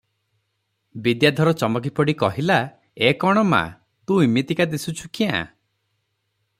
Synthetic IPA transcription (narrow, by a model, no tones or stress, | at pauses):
bid̪jad̪ʱɔɾɔt͡ʃɔmɔk̬ipɔɽikɔɦila | ekɔɽ̃ɔma̰ | t̪ũimet̪ikad̪isut͡ʃʰukiã̰